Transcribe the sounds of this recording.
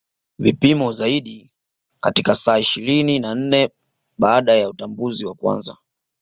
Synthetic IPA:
vipimɔzaiɗi | katikasaːiʃiɾininan̩nɛ | ɓaːɗajautambuziwakwa̰nza̰

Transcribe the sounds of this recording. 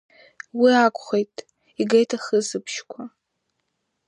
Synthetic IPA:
wiakʷʰʼχejtʼ | iɡejtʰaχəzɨpʰʃkʷʰa

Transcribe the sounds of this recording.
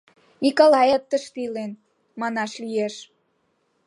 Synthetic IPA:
mikolɑjɑt̪ːəʃt̪ilen | mɑnɑʃlijeʃ

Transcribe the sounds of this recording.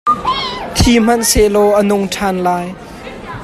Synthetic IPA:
t̪ʰiːm̥ɐnselɔʔənʊŋʈʰanlaːj

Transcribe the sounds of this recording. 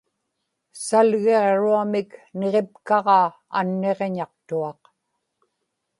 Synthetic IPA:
salɣe̞ʁɻuamɪkne̞ʁe̞pkɑʁɑː | a̰nːe̞ʁe̞ɲɑq̚t̪uɑq

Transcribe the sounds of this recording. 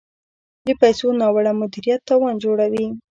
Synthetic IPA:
d̪əpajsonɑwaɽamʊd̪iɾijat̪ːɑwɑnd͡ʒoɽawi

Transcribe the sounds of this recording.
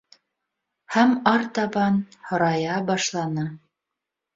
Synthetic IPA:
hæmɑɾt̪ɑβɑnhŏɾɑjɑbɑʃlˠɑnɤ

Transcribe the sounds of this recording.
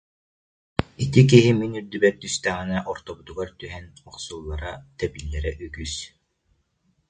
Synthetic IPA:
it̪ik̬iɦiminyɾd̪ybɛt̪̚d̪yst̪æːʁinɛʔɔɾt̪ɔbut̪uɡaɾt̪yɦɛnɔχsulˠːaɾat̪ɛbilːɛɾɛʔyɡys

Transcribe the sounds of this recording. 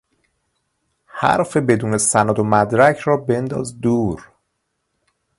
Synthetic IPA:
hæ̰ɾfebe̞d̪uːne̞sænɔːd̪omæd̪ɾæcʰɾɒːbe̞nd̪ɒ̰ːzd̪uːɾ

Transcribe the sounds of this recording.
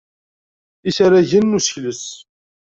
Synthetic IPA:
isaɾæʝənːusə̥çləs

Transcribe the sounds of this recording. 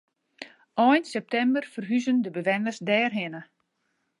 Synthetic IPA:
ʔɔjnsɛp̚tɛmbərfərɦyzəndəbəʋɛnəsdɛːrɦɪnə

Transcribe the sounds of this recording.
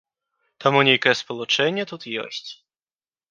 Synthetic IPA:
t̪amunʲejkɐjɛspɔlˠut͡ʂɛnʲːɛt̪ut̪jɔ̰sʲt͡sʲ

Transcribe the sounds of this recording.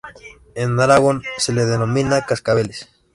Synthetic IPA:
enaɾaɣonseleðenomĩnakaskaβeles

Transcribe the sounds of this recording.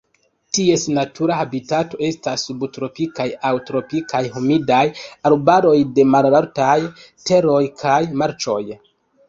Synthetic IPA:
tie̞snatʰuɾahabitato̞e̞stasːubtɾo̞pikajawtɾo̞pikajhomidajalbaɾo̞jde̞malaɾtaj | te̞ɾo̞jkʰajmaɾt͡ʃo̞j

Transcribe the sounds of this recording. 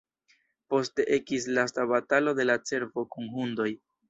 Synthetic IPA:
po̞ste̞ʔe̞kis̬lastaβatalo̞de̞lat͡se̞ɾvo̞kunɦundo̞j

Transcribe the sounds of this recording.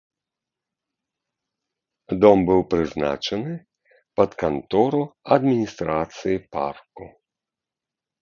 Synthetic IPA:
d̪ɔmbɪwpɾɪzna̰t͡ʃɛnɪ | pɐt̪kɐnt̪ɔɾʊɐd̪mʲinʲist̪ɾat̪sɨjipa̰rkʊ

